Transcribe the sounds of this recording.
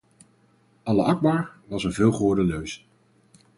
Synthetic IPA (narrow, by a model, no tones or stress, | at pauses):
ɑləʔɑɡ̚baːɹʋɑsənvɪːlˠχɔːɹdəløɥs